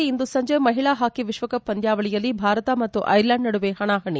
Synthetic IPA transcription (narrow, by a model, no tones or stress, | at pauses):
ind̪usɐɲd͡ʒemɐɦiɭaɦaːkiʋiʂʋɐkɐpːɐnd̪ʱjaːʋɐɭijɐlːibʱaːɾɐt̪ɐmɐt̪ːuʔɐjɾlɐɳɖnɐɽuʋeɦɐɳaːɦɐɳi